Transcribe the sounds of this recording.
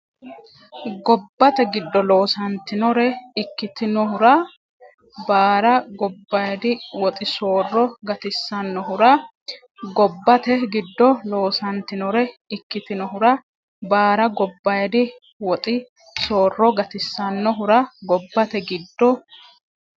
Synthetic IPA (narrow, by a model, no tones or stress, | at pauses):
ɡɔbːɐt̪ɛɡɪd̪ːɔlo̞ːsɐnt̪ɪnɔɾɛɪkːɪt̪ɪnɔɦʊɾɐ | baːɾɐɡɔbːɐjd̪ɪwɔt̪ʼɪso̞ːrːɔɡɐt̪ɪsːɐnːɔɦʊɾɐ | ɡɔbːɐt̪ɛɡɪd̪ːɔlo̞ːsɐnt̪ːɪnɔɾɛɪkːɪt̪ɪnɔɦʊɾɐ | baːɾɐɡɔbːɐjd̪ɪ | wɔt̪ʼɪ | so̞ːrːɔɡɐt̪ɪsːɐnːɔɦʊɾɐɡɔbːɐt̪ɛɡɪd̪ːɔ